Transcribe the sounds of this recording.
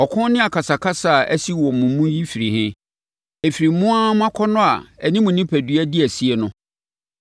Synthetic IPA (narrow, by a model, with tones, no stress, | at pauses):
ɔ˨kʰʊ̃˦nɪ̃˦a˨kʰa˨sa˨kʰa˦sa˦˨ʔæ̰˦si˦wɔ˨mʊ̃˨mũ˦ji˦fi˨ɾi˨hɪ̃˦ | e˨fi˨ɾi˨˦mʊ̃˦a˦m˦ã˦kʰɔ˦nʊ̃˦a̰˨æ˨nĩ˦mʊ̃˨nɪ̃˦pʰæ˨dɥæ˦dɪ˦æ˨si˦ɛ˨nʊ̃˦